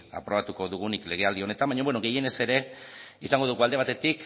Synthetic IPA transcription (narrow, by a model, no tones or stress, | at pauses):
a̰pɾo̞βat̪uko̞ðuɣ̞unikle̞ɣ̞e̞ald̪io̞ne̞t̪ambaɲobwe̞noɣe̞je̞ne̞se̞ɾe̞isaŋɡo̞ðuɣuald̪e̞β̞at̪e̞t̪ik